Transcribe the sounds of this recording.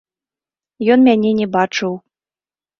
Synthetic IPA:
jɔnmʲanʲɛnʲɛbat͡ʂɨw

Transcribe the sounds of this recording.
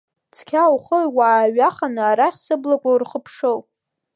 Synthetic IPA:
t͡sʰkʲʰawχərwaːɥaχanɨaɾaχʲsɨblakʷʼarχəpʰʂɨl

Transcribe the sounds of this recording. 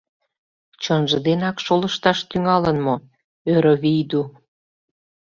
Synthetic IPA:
t͡ɕənʒə̆d̪enɑkʃoləʃt̪ɑʃt̪yŋɑlənmo | øɾəβijd̪u

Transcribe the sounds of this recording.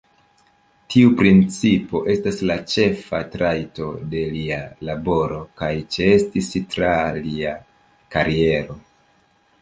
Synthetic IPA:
tʰiupɾint͡sipo̞ʔe̞staslat͡ʃe̞fatɾajto̞de̞lialabo̞ɾo̞kajt͡ʃee̞stistɾalia | kaɾie̞ɾo̞

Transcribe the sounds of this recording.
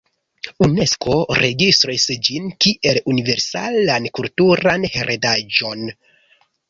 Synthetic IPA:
une̞sko̞ɾe̞ɡistɾisd͡ʒinkiʔe̞lunive̞ɾsa̰lankultuɾanheɾʔedad͡ʒo̞n

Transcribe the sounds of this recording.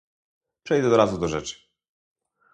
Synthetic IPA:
pʂɛjd̪ɛd̪ɔɾazud̪ɔʐɛt͡ʂɨ̥

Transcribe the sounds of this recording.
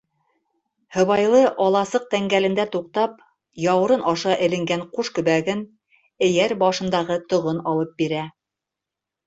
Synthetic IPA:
hɤ̆βɑjlˠɤʔɑlˠɑsɤq̚t̪æŋɡælɘ̆nd̪æt̪uq̚t̪ɑp̚ | jɑwɤ̆ɾɤnɑʃɑʔɘ̆lɘ̆ŋɡæɴquʃkɵ̆βæɡɘn | ɘ̆jæɾbɑʃɤ̆nd̪ɑʁɤt̪ŏʁɤnɑlˠɤp̚biɾæ

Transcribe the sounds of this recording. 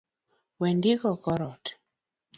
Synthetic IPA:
wɛndikɔkɔɾɔt

